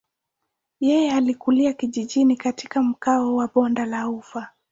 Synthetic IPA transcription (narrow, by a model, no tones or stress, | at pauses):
jɛjɛalikuliakiʄiʄinikati̥kam̩kaɔwaɓɔndalaufa